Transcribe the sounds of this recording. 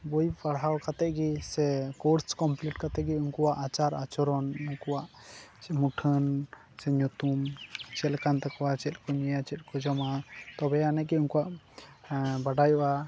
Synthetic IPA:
bojpaɽɦawkat̪ɛʔ̚ɡisɛkɔɾskɔmpliʈ̚kat̪ɛʔ̚ɡiuŋkuwaʔat͡ʃaɾat͡ʃɔɾɔnuŋkuwaʔ | t͡ʃɛmuʈʰən | sɛɲut̪umt͡ʃɛlkant̪ɛkɔwat͡ʃɛt̪̚kɔɲɛjat͡ʃɛt̪̚ˀkɔd͡ʒɔmat̪ɔbɛanɛɡɛuŋkuwaʔ | baɖajɔa

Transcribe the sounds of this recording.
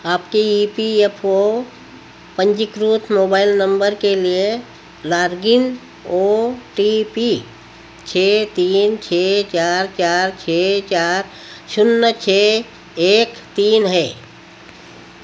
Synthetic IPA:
aːpkeiːpiepʰo | pə̃nd͡ʒɪkɾuːt̪ʰmoːbaːɪlnə̃mbəɾkelie | laːɾɡɪn | oːʈipi | t͡ʃʰeːt̪iːnt͡ʃʰeːt͡ʃaːɾt͡ʃaːɾt͡ʃʰeːt͡ʃaːɾ | ʃʊnːət͡ʃʰe | eːkt̪iːnɦɛː

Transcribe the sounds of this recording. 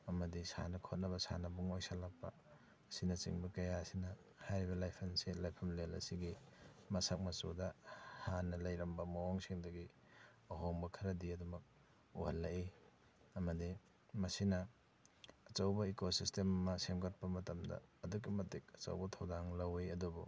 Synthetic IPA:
ɐmɐdisa̰nɐkʰot̚nɐβɐsa̰nɐbuŋojsalak̚pɐ̰ | ɐsinɐt͡ʃḭŋbɐkɐjasinɐ | hajɾibɐlajpʰɐnselajpʰɐmlelɐ̰siɡimɐsak̚mɐsodɐhanːɐlɐjɾɐmbɐmowoŋsiŋdɐɡi | ɐɦoŋbɐkʰɐɾɐdiɐdumɐk̚ | uhɐlːɐi | ɐmɐdi | mɐsinɐː | t͡ʃɐwbɐekosistemɐmɐsemɡɐt̚pɐmɐtɐmdɐ̰ːduk̬ːimɐtik̚ɐt͡ʃɐ̰wbɐtʰɐwdaŋlɐwejɐdubṵ

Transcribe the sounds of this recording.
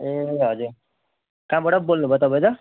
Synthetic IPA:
eɦʌd͡zuɾ | kãbʌʈʌbolnubʱʌt̪ʌpaj̃t̪ʌ

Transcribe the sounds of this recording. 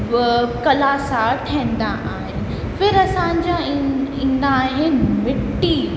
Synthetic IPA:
kɐlaːsaʈʰẽːnd̪aʔaːɦe | fɪɾɐsãɲd͡ʑãĩːnd̪aːɦẽmɪʈːi

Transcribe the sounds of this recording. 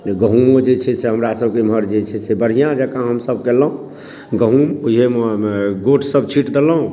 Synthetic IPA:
ɡəɦumod͡ʒet͡ʃʰɛseɦəmɾasəbʱkemɦəɾd͡ʒet͡ʃʰɛsebəɾ̤ɦijãd͡ʒəkãɦəmsəb̚keləɦũ | ɡəɦumuiɦemɡoʈʰsəb̚t͡ʃʰiʈd̪eləɦũ

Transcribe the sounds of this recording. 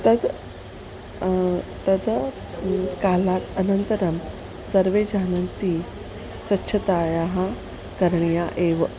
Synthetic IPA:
t̪əd̪ | t̪əd̪ | kalat̪ənənt̪əɾəm | səɾʋed͡ʑanənt̪i | sʋɐtːɕʰət̪ajaɦã | kəɾɳjaʔeʋə

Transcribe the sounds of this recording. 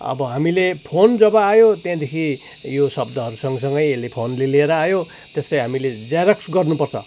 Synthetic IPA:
ʌ̰bʌɦamilepʰond͡zʌbʌajot̪jãd̪ekʰi | josʌbd̪ʌɦʌɾusʌŋɡʌsʌŋɡʌjelepʰonlelieɾʌajo | t̪est̪ʌjɦamiled͡zaɾʌksɡʌrnupʌrt͡sʰʌ̰

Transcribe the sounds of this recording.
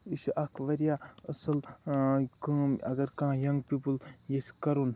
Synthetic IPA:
iʃuʔɐkʰʋɐɾjaɐsɐl | kɨɐ̰ɡɐɾkãjɐŋɡpiːpɨljeskɐɾun

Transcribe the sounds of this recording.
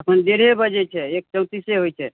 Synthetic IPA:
əpənd̪eɾebəd͡ʒɛt͡ʃʰɛek̚t͡ʃə̃wt̪iseɦojt͡ʃʰɛ

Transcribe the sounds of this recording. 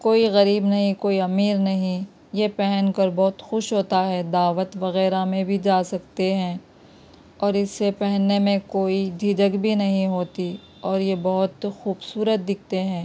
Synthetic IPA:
koːiɣɐɾiːbnɐɦĩkoːiɐmiːɾnɐɦĩ | jepɛɦənkɐɾbɔɦt̪xʊʃɦoːt̪aɦɛd̪aːʋət̪ʋɐɣɛːɾamẽbʱid͡ʒaːsɐkt̪eɦɛ̃ː | ɔːɾɪsːepɛɦnːemẽkoːid͡ʒʱɪd͡ʒəɡbʱinɐɦĩɦoːt̪i | ɔːɾjebɔɦʊt̪xuːbsuːɾət̪̚d̪ɪk̚ʰt̪eɦɛ̃ː

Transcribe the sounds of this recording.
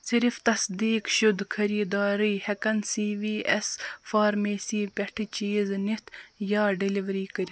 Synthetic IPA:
siɾift̪ɐsd̪iːkʃud̪kʰɐɾiːd̪aːɾiːhɐkɐnsiːʋiːʔɐsfaːɾmeːsiːpʲɐʈʰit͡ʃiːznit̪jaːɖiliʋɾiːkəɾʲ

